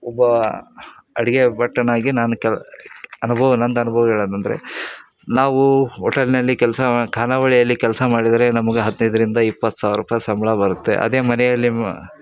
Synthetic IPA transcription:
ɔbːɐ | ɐɽiɡe̞bɐʈːɐnaːɡinaːnukɛlɐnubʱɐʋɐnɐnd̪ɐnubʱɐʋɐɡeɭɐnt̪ɐnd̪ɐ̰ɾe̞̰ | naːʋuɦɔʈɐlnɐlːikɛlɐsɐkʰaːnaʋɐɭijɐlːikɛlɐsɐmaːɽid̪ɐɾe̞nɐmɐɡeɦɐd̪nɐjd̪ɐɾind̪ɐipːɐt̪ːsaːʋiɾuːpɐjɐsɐmbɐɭɐbɐɾut̪ːe̞̰ʔɐ̰d̪e̞ːmɐnɛjɐlːi

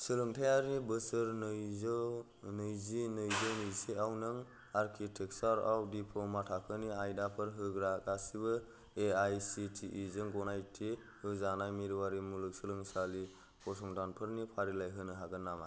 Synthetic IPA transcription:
sɯlɯŋtʰajaɾnibɯsɯɾnz | nɯjzinɯjzɯnɯjsiawnɯŋ | aɾkʰitʰek̚saɾawdipʰɔmatʰakʰɯniajdapʰɯɾɦɯɡɾaɡasibɯ | eajsitʰiʔːzɯŋɡɔnajtʰe | hɯzanajmiɾwaɾimulɯk̚sɯlɯŋsali | kʰɔs̬ɔŋdanpʰɯɾnipʰaɾilajɦɯnɯɦaɡɯnːama

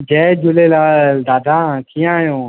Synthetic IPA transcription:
d͡ʒɛːd͡ʒʊleːlaːd̪aːd̪ʱãːt̪ʰijãːjõː

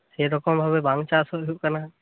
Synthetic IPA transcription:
eɾɔkɔmbʱabebaŋɡt͡ʃasɔjuʔkana

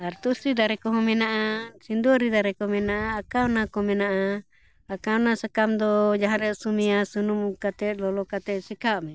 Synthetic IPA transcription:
aɾt̪usid̪aɾɛkɔɦɔ̃mɛnaʔasind̪uɔɾid̪aɾɛkɔmɛnaʔaːkawnakɔmɛnaʔa | akawnasakamd̪ɔd͡ʒaɦãɾɛsumiasunumukat̪ɛt̪lɔlɔkat̪ɛsikaʔmɛ

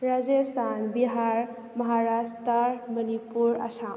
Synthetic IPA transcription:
ɾad͡ʒest̪ʰanbiɦaɾ | mɐɦaɾast̪amənipuɾɐ̰sam

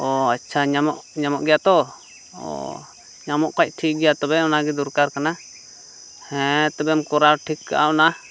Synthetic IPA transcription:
ɔatːt͡ʃʰaɲamɔʔɲamɔʔɡɛjat̪ɔ | ɔ̰ | ɲamɔʔkac̚ˀʈʰiʔɡɛjat̪ɔbɛɔnaɡɛd̪uɾkaɾkana | hɛ̃t̪ɔbɛmkɔɾaɾʈʰikːa̰ʔaɔna

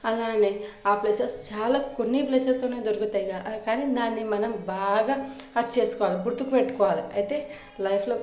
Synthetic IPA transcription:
ɐlaːneːaːpleːsɐst͡ʃaːlaːkonːipleːsɐst̪oːneːd̪oɾukut̪aːjɡakaːniːd̪aːnːimɐnɐmbaːɡaɐt͡ʃeːsu̥kɔːʋaːliɡuɾt̪ukupeʈːu̥kɔːʋaːliɐjt̪eː | lɐjpʰloː

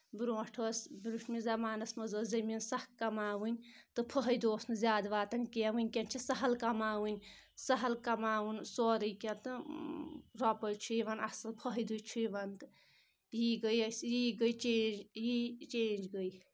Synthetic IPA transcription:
bɾoːʂʈʰosbɾuʈmizɐmaːnɐsmɐzoːzɐminsɐhkɐmaːʋɨnʲt̪ɨpʰəɦɐjd̪oːsnɨzʲjaːd̪ʋaːt̪ɐnkiɐʋɨnʲkʲɐnt͡ʃʰisɐɦɐlkɐmaːʋɨnʲsɐɦɐlkɐmaːʋɨnsoːɾɨjkʲɐnt̪ɨ | ɾɔpəjt͡ʃʰuiʋɐnɐsɐlpʰəɦɐjd̪ut͡ʃʰujiʋɐnt̪ɨ̥ | jiːɡəjɐsjiːɡəjt͡ʃeːjit͡ʃeːnd͡ʒɡəj

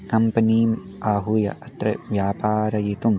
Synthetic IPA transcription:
kɐmpɐniːm | aːɦujɐ̰ʔɐt̪ɾɐ̰ʋjaːpaːɾɐjit̪um

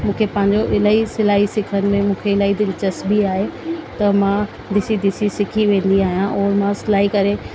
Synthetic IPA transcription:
mũːkʰepɐ̃ɦɪ̃ɲ̆d͡ʑoʔɪlaːisɪlaːɦisɪkʰənɪ̆mẽmũːkʰeɪlaːid̪ɪlɪt͡ɕəsbiaːɦet̪ɐmã | d̪ɪsid̪ɪsisɪkʰiʋẽːn̆d̪iaːɦijãʔɔːɾmãsɪlaːɦikɐɾe

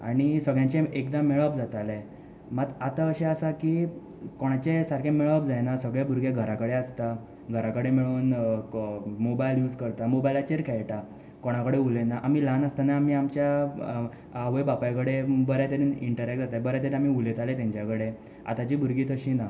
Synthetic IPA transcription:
a̰ɽ̃isəɡɭjãɲt͡ɕeekd̪ameɭəbd͡zat̪ale | mat̪at̪aəɕeəsakiː | koɽ̃at͡ɕesaɾkʰẽmeɭəb̚d͡zajnasəɡɭjabʱuɾɡeɡʱəɾakəɽeəst̪a | ɡʱəɾakəɽemeɭuːn | mobajljuːd͡zkəɾt̪amobajlat͡ɕeɾkʰɛjʈa | koɽ̃akəɽeulenaʔamiːlanəst̪anaamiamt͡ɕja | aʋəjbapajkəɽebəɾjat̪eɾiniɳʈəɾɛkʈ̚d͡zat̪abəɾat̪eɾamiulet̪alet̪̬jãɲt͡ɕjakəɽe | a̰t̪at͡ɕiːbʱuɾɡiːt̪əɕiːna

